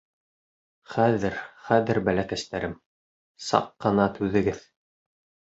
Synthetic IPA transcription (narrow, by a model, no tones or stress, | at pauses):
χæðɘɾχæðɘɾbælækæst̪æɾɘm | sɑ̰qːɤ̆nɑt̪ʰʉðɘ̆ɡɘð